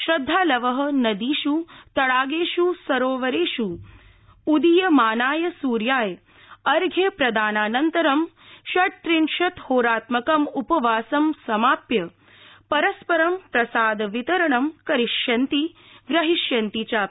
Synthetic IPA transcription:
ʃɾɐd̪ʱːaːlɐʋɐɦɐ̆nɐd̪iːʃut̪ɐɽaːɡeːʃusɐɾoːʋɐɾeːʃu | ud̪ijɐmaːnaːjɐsuːɾjaːj | ɐɾɡʱepɾɐd̪aːnaːnɐnt̪ɐɾɐm | ʃɐʈʈ̪ɾinʃɐt̪hoːɾaːt̪mɐkɐmupɐʋaːsɐmsɐmaːpjɐ | pɐɾɐspɐɾɐmpɾɐsaːd̪ɐʋit̪ɐɾɐɳɐmkɐɾiʃjɐnt̪iɡɾɐɦiʃjɐnt̪it͡ʃaː

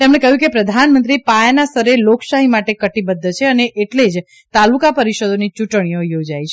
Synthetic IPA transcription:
t̪emɽ̃ekəɦjũkepɾəd̪ʱanmə̃nt̪ɾipajanasəɾeloksaɦimaʈekəʈibəd̪ːt͡ʃʰeəneʔeʈled͡ʒ | t̪alukapəɾiʃod̪onit͡ʃuʈɽ̃ijojod͡ʒajt͡ʃʰe

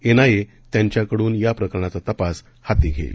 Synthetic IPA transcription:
enaje | t̪jaɲt͡ɕjakəɽuːnjapɾəkəɾəɳat͡sat̪əpas | hat̪iɡʱḛlḭ

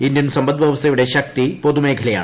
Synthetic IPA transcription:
ind̪jɐnsɐmbɐnd̪ʋɐʋɐst̪eʋɽeʃɐk̚t̪ipoːd̪umeːɡʱɐlɐja̰ː

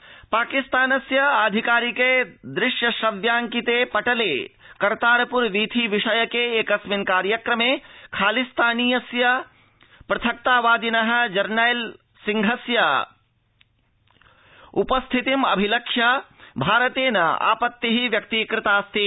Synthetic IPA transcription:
paːkist̪aːnɐsjɐaːd̪ʱikaːɾiked̪ɾɪʃjɐʃɐʋjaːŋkit̪eːpɐʈɐleː | kɐɾt̪aːɾɐpuɾʋiːt̪ʰiʋiʃɐjɐkeeːkɐsminkaːɾjɐkɾɐmeːkʰaːlist̪ʰaːniːjɐsjɐ | pɾɐt̪ʰɐk̚t̪aːʋaːd̪inɐɦɐ̆d͡ʒɐɾnajl | siŋɡʱɐsjɐ | upɐst̪ʰit̪imɐ̰bʱilɐkʂjɐbʱaːɾɐt̪eːnɐa̰ːpɐt̪ːiɦiʋjɐk̚t̪iːkɾɪt̪aːst̪ʰi

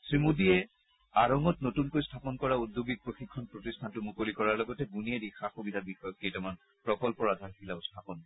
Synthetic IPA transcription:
sɹimudiɛ | aɹɔŋɔtnotunkojstʰapɔnkɔɹaudʱːubik̚pɹoxikʰːɔnpɹotistʰantʊmukolikɔɹaɹlɔɡɔtɛbuniɛdixaxubidʱabixɔjɔk̚ːejtɔman | pɹɔkɔlpɔɹadʱaɹkʰilaʊstʰapɔn

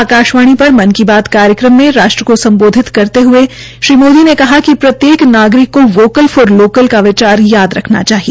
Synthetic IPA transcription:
aːkaːʃʋaːɽ̃ipɐɾmɐnkibaːd̪kaːɾjəkɾəmːẽɾaːʃʈɾəkosɐ̃mboːd̪ʱɪt̪kɐɾt̪eɦʊe | ʃɾiːmoːd̪ʱinekɐɦakipɾɐt̪jeːknaːɡɾɪkːoʋoːkəlfoɾloːkəlkaʋɪt͡ʃaːɾjaːd̪ɾɐkʰna̰t͡ʃaːɦie

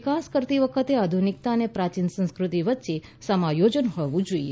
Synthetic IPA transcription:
kaskəɾt̪iʋəkʰət̪ead̪ʱunik̚t̪aənepɾat͡ʃinsə̃nskɾut̪iʋətːʃe | səmajod͡ʒənɦɔʋũd͡ʒoie

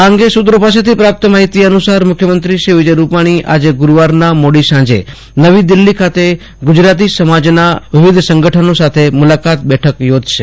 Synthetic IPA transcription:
ãŋɡeʃut̪ɾopas̬et̪ʰipɾap̚t̪əmaɦit̪iənusaɾmʊkʰjəmənt̪ɾiʃiʋɪd͡ʒəjɾupaɽ̃iʔa̰d͡ʒeɡʊɾʋaɾnamoɽisãd͡ʒḛ | nəʋid̪ɪlːikʰat̪e | ɡʊd͡ʒɾat̪̬isəmad͡ʒnaʋɪʋɪd̪ʱsə̃ŋɡəʈʰənosat̪ʰemulakat̪̚bɛʈʰəkjod͡ʒʃe

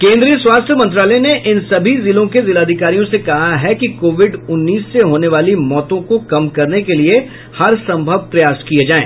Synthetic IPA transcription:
kẽːnd̪ɾiːəswaːst̪ʰjəmɐ̃nt̪ɾaːləneʔɪnsɐbʱizɪlõkezɪlaːd̪ʱɪkaːɾijõsekɐɦaɦɛkikoːʋɪɖʊnːiːsːeɦoːneʋaːlimɔːt̪õkokɐmkɐɾnekelie | hɐɾsɐ̃mbʱəʋpɾɐjaːskied͡ʒaːḛ̃ː

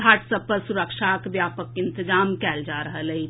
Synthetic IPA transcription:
aʈsəpəɾsuɾəkʃʰakbjapəkːɪnt̪əd͡ʒamkɛld͡ʒaɾəɦələɦi

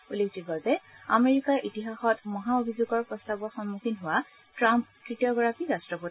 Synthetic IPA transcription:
ulektiɡɔzɛa̰meɹikaɹʔitiɦaxɔtmɔɦaobʱizuɡɔɹpɹɔstabɔxɔnmukʰinɦʊwa | tɹamp̚tɹitijɔɡɔɹapiɹastɹɔpo

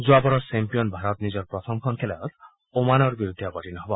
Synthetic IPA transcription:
d͡ʒuabɔɾɔsempiɔnbʱaɾɔt̪nid͡ʒɔɾpɾɔt̪ʰɔmkʰɔnkʰelaɾɔt̪ | omanɔɾbiɾud̪ʱːiɔbɔʈinɔɦebɔ

